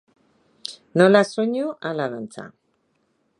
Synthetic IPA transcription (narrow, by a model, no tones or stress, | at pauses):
nolasuɲuʔalaðant͡sa̰